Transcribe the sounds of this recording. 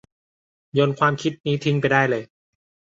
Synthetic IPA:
jo˧nkʰwaː˧mkʰi˦˥t̪̚niː˦˥t̪ʰi˧ŋpa˧jdaː˥˩jlɤː˧j

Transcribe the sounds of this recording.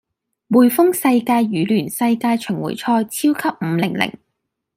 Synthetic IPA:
wuː˨˩jfʊ˥ŋsɐ˧jkaː˧jɥyː˨˥lyː˨˩nsɐ˧jkaː˧jt͡ʃʰɵ˨˩ŋwṵ˨˩jt͡ʃʰɔː˧jt͡sʰiː˥wkʰɐ˥p̚m̩ː˨˧˦lɪ˨˩ŋlɪ̰˨˩ŋ

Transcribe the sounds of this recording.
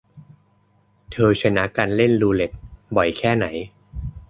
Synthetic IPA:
t̪ʰɤː˧t͡ɕʰa˧na˦˥ka˧nle˥˩nluː˧le˨˩t̪̚bɔ˨˩jkʰɛː˥˩na˩˦j

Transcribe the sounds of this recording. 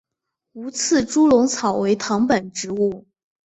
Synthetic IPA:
u˧˥t͡sʰɹ̩˥˩ʈ͡ʂu˥lʊ˧˥ŋt͡sʰɑ˨˩ʊwe˧˥ɪt̪ʰɑ˧˥ŋpə˨˩nʈ͡ʂɻ̩˧˥u˥˩

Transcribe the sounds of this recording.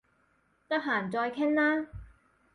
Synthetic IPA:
t̪ɐ˥k̚ɦaː˨˩nt͡sɔː˧jkʰɪ˥ŋlaː˥

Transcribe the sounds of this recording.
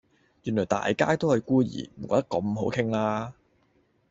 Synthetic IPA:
jyː˨˩nlɔː˨˩jt̪a̰ː˨jkaː˥jt̪o˥whɐ˨jkuː˥jḭː˨˩m̩˨˩kɔː˨˧˥t̪ɐ˥kɐ˧mɦo˨˥wkʰɪ˥ŋlaː˥

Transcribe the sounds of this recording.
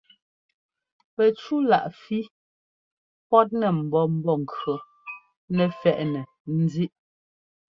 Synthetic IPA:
pɛ˨t͡ʃu˦la˨ʔfi˦ | pɔ˦t̚nɛ˨m̩˨bɔ˦m̩˦bɔ˦˨ŋ̩˨kɰo˨ | nɛ˨fɛ˨ʔnɛ˨ | n̩˦zi˦ʔ

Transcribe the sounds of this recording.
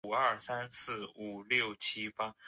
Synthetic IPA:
ə˞˥˩sa˥nsɹ̩˥˩u˨˩ljo˥˩ʊt͡ɕʰi˥pa˥

